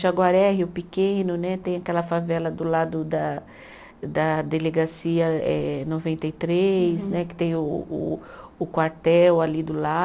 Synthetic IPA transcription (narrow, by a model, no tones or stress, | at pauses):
ʒaɡwaɾɛɦɪʊpikẽnʊnɛt̪ẽj̃akɛlɐfavɛlɐd̪ʊlad̪ʊd̪ɐ | d̪ɐd̪eleɡasiɐɛnovẽnt̪ejt̪ɾejsnɛkɪ̥t̪ẽj̃ʊ̰ː | kwaɾt̪ɛwalid̪ʊla